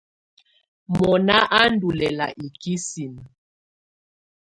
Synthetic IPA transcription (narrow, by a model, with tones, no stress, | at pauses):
mɔ˨na˦ʔa˦n˦du˨lɛ˨la̰˨ʔi˨ki˦si˨n˨